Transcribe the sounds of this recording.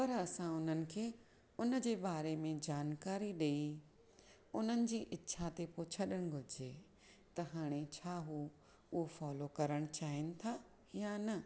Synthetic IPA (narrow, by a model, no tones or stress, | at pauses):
pɐɾɐsãʊn̤ənɪ̆kʰeː | ʊnə̆d͡ʑeːbaːɾemẽd͡ʑaːnkaːɾiɗei | ʊn̤ənɪ̆d͡ʑiːʔɪtːʃʰat̪epʊt͡ɕʰɐɗəɽ̃ɡʱʊd͡ʑeː | t̪ɐɦaːɽ̃et͡ɕʰaːɦu | ʊɦofaːlokɐɾəɽ̃t͡ɕaːɦɪnɪ̆t̪ʰa | janɐ